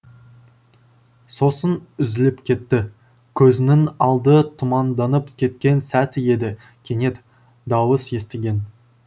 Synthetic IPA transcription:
so̞sənʏzɪlɪpkʲʰe̞t̪ːɪ | kʲʰɵzɪnɪŋɑlˠd̪ət̪ʰʊmɑnd̪ɑnəpkʲʰe̞t̪̚kʲe̞nsæt̪ɪje̞d̪ɪ | kʲʰe̞ne̞t̪ | d̪ɑwəsje̞st̪eɡʲe̞n

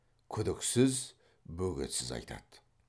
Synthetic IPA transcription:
kʲʰʏd̪ɪksɪz | bɵɡʲḛt̪sɪzɑ̰jt̪ʰɑ̰d̪̥

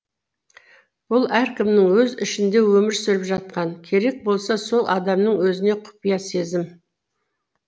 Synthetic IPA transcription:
b̥ʊlˠæɾkʲɪmnɪŋwɵzɪ̰ʃɪnd̪e̞wɵmɪɾsɪɾɪpʒɑt̪̚qɑnkʲʰe̞ɾe̞k̚bo̞lˠsɑso̞lˠʔɑd̪ɑmnəɴwɵzɪne̞qʰʊ̥pijɑse̞zɪm

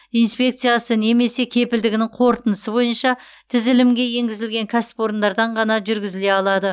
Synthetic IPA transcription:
ijnspʲe̞k̚t̪sɨjasəne̞me̞se̞kʲʰe̞pɪld̪ɪɡʲɪnɪɴqʰo̞ɾt̪ənəsəbo̞jənʃɑ | t̪ʰɪzɪlɪmɡʲe̞je̞ŋɡʲɪzɪlɡʲe̞ŋkʲʰæsɪ̥po̞ɾənd̪ɑɾd̪ɑɴʁɑnɑʒʏɾɡʲɪzɪle̞ɑlˠɑd̪ə

